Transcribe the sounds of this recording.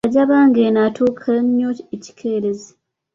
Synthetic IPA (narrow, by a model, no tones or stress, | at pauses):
aɟaβaːŋɡenatʰuːkʰaleɲːoeci̥kʰeːɾeze